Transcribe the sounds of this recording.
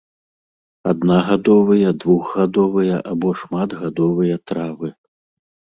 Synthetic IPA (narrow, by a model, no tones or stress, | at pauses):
a̰d̪naɣad̪ɔvɨjɐd̪vuɣɣad̪ɔvɨjɐʔabɔʂmad̪ɣad̪ɔvɨjɐt̪ɾavɨ